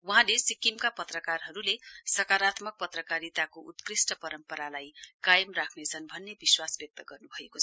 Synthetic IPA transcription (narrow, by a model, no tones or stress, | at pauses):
wuɦãlesikimkapʌt̪rʌkarɦʌɾulesʌkaɾat̪mʌk̚pʌt̪rʌkaɾit̪akoʔut̪krisʈʌpʌɾʌmpʌɾalajkajʌmrakʰnet͡sʰʌnbʱʌnːebiswasbjʌk̚t̪ʌɡʌrnubʱʌekot͡sʰʌ